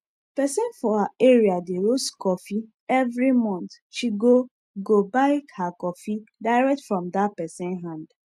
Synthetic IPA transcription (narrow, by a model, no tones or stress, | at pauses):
pɛsɛ̃nfɔhaeɹiadeɾoskɔfi | ɛvɾimɔ̃nt̪ | ʃiɡo | ɡobaɪkhakɔfidaɪɹɛk̚tfɹɔ̃mdat̚pɛsɛ̃nɦãnd